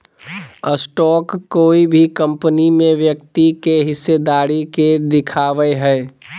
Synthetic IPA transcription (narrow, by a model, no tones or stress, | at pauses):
əsʈɔːkːoːibʱikə̃mpənimẽʋjək̚t̪ikeɦɪsːed̪aːɾiked̪ɪkʰaːʋəeɦɛː